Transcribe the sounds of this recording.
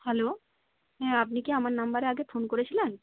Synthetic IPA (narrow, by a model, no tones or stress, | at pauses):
hɛlo | ɦɛ̃apnikiamaɾnambaɾeaɡefonkoɾet͡ɕʰilen